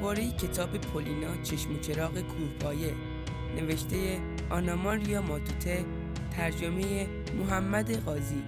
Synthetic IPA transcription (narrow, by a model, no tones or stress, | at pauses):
bɒːɾejecʰe̞t̪ʰɒːbe̞pʰolinɒːt͡ʃʰeʃmot͡ʃʰe̞ɾɒːɣe̞kʰuːhbɒːje̞ | ne̞ve̞ʃt̪ʰe̞je | ʔɒnɒmɒɾijɒːmɒːt̪ʰut̪ʰe̞ | t̪ʰæɾd͡ʒome̞je | moɦæmːæd̪e̞ɣɒːzi